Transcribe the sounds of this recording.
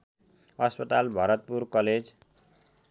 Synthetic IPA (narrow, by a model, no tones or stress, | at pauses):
ʌspʌt̪albʱʌɾʌt̪̚purkʌled͡z